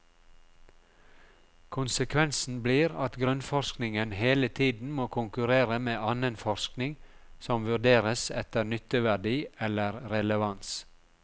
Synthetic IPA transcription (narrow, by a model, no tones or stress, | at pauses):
kʰʊnsəkʰʋɛnsn̩bliːɾɑt̪ɡɾʉnfɔɾʃknɪŋənheːlət̪ʰiːd̪n̩moːkʰʊŋkʉɾeːɾəmeːʔɑnənfɔɾsknɪŋ | sɔmʋʉɖeːɾəsɛt̪əɾnʏt̪əʋæɖiːɛləɾɾɛləʋɑns